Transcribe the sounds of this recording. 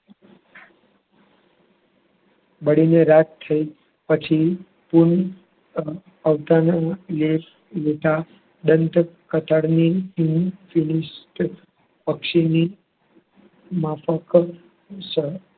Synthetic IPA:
bəɽineɾat̪t̪ʰːəi | pət͡ʃʰi | puɳ | əʋt̪analef | let̪a | d̪ənt̪kət̪aɽniːnfiniʃʈ | pəkʂini | mafək | ʃe

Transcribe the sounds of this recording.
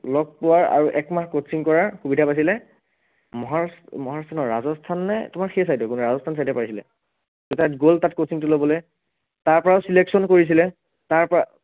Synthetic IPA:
lɔɡ̚pʊwaɹa̰ɹuʔɛkmaxkotsiŋkɔɹaɹxubidʱapas̬ilɛ | mɔɦasmɔɦastʰanɔɹazɔstʰanːɛtʊmaɹxejsajdɔkunuɹazɔstʰans̬ajdɛpaɹisilɛ̰ | dotatɡoltatkosiŋtʊlobɔlɛj | taɹpɔɹaʊsileksɔnkoɹis̬ilɛ | taɹpɔa

